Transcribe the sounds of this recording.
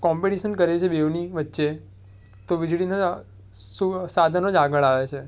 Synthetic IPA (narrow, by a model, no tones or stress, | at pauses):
kɔmpeʈiʃənkəɾet͡ʃʰebeʋniʋətːʃe | t̪oʋid͡ʒɭino | susad̪ʱənod͡ʒaɡəɭaʋet͡ʃʰe